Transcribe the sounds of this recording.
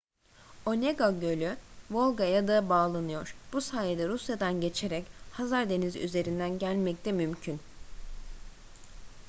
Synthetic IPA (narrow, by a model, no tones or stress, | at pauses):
o̞neɡaɟø̞lʲyvo̞lˠɡajad̪abaːlˠanɯjo̞ɾ̥b̥usaːjed̪ɛɾusjad̪anɟe̞t͡ʃʰe̞ɾɛchazaɾd̪e̞nizy̰ze̞ɾind̪ænɟælʲmɛc̚t̪ʰɛmymcʰyn